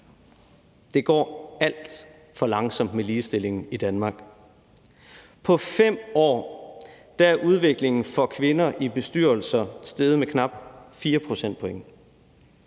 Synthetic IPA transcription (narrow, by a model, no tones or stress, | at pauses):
d̥e̝ɡ̥ɒ̰ːæl̰d̥ | fɒ̽lɑ̈ŋsɒ̽m̰d̥meliːsd̥e̝l̰e̝ŋn̩id̥ænmɑ̈ːɡ̥ | pʰɒ̽fem̰ɒ̰ː | d̥ææɐʔuð̞ˠʋe̝ɡ̥le̝ŋn̩fɒ̽kʰʋe̝nɐʔib̥e̝sd̥yɐ̰l̩sɐsd̥eːð̞ˠmekʰnɑ̈b̥fiːɐpʰʁo̝sen̰d̥̚pʰo̽eŋə